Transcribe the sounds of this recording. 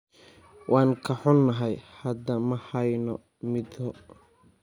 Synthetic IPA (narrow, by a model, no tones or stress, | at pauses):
wʔɑːŋkʰɐħʊnːɐɦɛjhɐd̪ɐmɐhɐjnɔ | mɪd̪ɔ